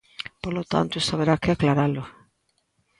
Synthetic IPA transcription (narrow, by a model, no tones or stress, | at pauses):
polot̪a̰nt̪ʊesaβeɾakeaklaɾalo